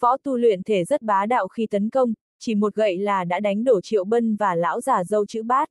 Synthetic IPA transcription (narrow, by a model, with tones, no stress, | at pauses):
fɔ˨˦t̪u˧lwḭ˧˨ənt̪ʰe˧˩zə˦˥t̚ɓaː˨˦ɗa̰ː˧˨wxi˧t̪ə˨˦nkə˧wŋ͡m | t͡ɕi˧˩mo˨˩t̚ɣə̰˧˨jlaː˨˩ɗa̰ː˧˥ɗa˨˦jŋ̟ɗo˧˩t͡ɕḭ˧˨əwɓə˧nvaː˨˩la̰ː˧˥wzaː˨˩zə˧wt͡ɕɨ̰˧˥ɓaː˦˥t̚